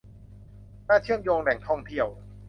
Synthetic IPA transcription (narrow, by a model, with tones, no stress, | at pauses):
naː˥˩t͡ɕʰɯ˥˩əmjoː˧ŋlɛ˨˩ŋt̪ʰɔ˥˩ŋt̪ʰi˥˩əw